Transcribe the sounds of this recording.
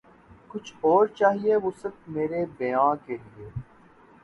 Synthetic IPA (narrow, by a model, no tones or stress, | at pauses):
kʊt͡ʃʰɔːɾt͡ʃaːɦieʋoːsɐb̚meːɾebejãːkelieː